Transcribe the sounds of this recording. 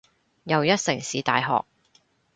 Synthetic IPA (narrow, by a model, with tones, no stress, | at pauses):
jɐ˨wjɐ˥t̚sɪ˨˩ŋsiː˨˧t̪a̰ː˨jɦɔ̰ː˨k̚